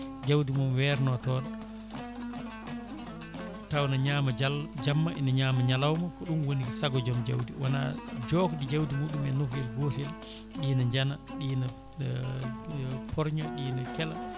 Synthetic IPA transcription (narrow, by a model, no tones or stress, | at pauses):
d͡ʒawdimumwɛɾnɔtɔːn | tawnaɲaːmad͡ʒamːaʔɛnaɲaːmaɲalawmakɔɗunwoniɡisaɡɔd͡ʒɔmd͡ʒa̰wdiwana̰d͡ʒɔkdid͡ʒawdimuːɗumɛnokɡɛlɡotel | ɗiːnaɲd͡ʒanaɗiːna | pʰɔɾɲɔɗiːnakɛla